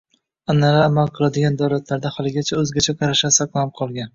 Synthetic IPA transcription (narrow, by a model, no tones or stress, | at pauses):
anːaɾaːmalˠqʰɨlˠad̪ɪɡʲand̪ɒwlat̪ʰlaɾd̪ahɒlˠɪɡʲat͡ʃʰaɵzɡʲat͡ʃʰaqʰɑɾaʃasaqlˠap̚qʰɒlˠɡʲan